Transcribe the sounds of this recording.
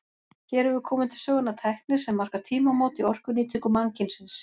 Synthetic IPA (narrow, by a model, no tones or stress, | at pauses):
çɛɾɛvʏɾkʰɔːmɪnt̪ʰɪ̥l̥sœːɣʏnat̪ʰajhknɪ̥sɛmːar̥kaɾ̥t̪ʰiːmamɔːwt̪iɔr̥kʏniːt̪ʰʏkʏmaŋcɪnsɪns